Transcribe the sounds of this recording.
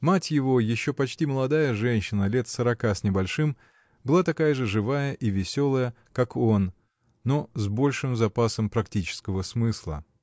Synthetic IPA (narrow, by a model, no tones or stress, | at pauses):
matʲjɪvo̞jɪɕːo̞pɐt͡ɕtʲiməlˠɐd̪ajəʐɛnʲɕːɪnəlʲe̞t̪səɾɐkasʲnʲɪbɐlʲʂɨm | bɨlˠat̪ɐkajəʐɨʐɨvajəʔivʲɪsʲo̞lˠəjə | kako̞nː | ozbo̞lʲʂɨmzɐpasəmpɾɐktʲit͡ɕɪ̥skəvəsmɨslˠə̰